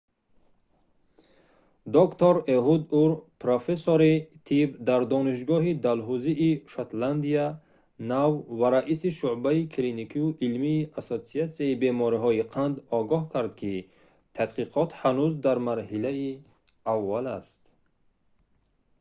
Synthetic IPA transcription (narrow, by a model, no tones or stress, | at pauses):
d̪ɔkt̪ʰɔɾeɦud̪uɾpɾofesoɾit̪ʰibd̪aɾd̪ɔniʃ̬ɡɔɦid̪alɦuziʔːʃat̪land̪ia | navvaɾaʔisiʃuʕbaikʰlinikʰiuʔilmiːʔasot̪siat̪siaibemɔɾiɦɔiqʰand̪ɔɡɔhkʰaɾd̪kʰi | t̪ʰad̪qiqʰɔt̪hanuzd̪aɾmaɾhilai | avːalast̪